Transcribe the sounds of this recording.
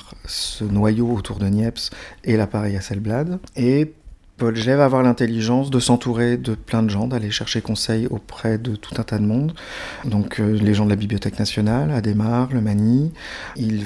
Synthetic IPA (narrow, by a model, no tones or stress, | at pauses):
ʁsənwajoot̪ʰuʁd̪ənjɛpselapaʁɛjasɛlblad̪e | pɔlʒɛvaːvwaʁlɛ̃t̪eliʒɑ̃sd̪əsɑ̃t̪uʁed̪əplɛ̃d̪əʒɑ̃d̪aleʃɛʁʃekɔ̃sɛjo̰pχɛd̪ət̪ʰu̥t̪ɛ̃t̪ad̪əmɔ̃d̪ | d̪ɔ̃kʰleʒɑ̃d̪əlabiblijɔt̪ɛknasjɔnalad̪emaʁləmani | il